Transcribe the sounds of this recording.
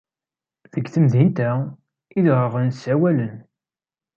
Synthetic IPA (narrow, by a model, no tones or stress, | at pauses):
ðəɡθəmðint̪æ | iðʁəʁənsæwælən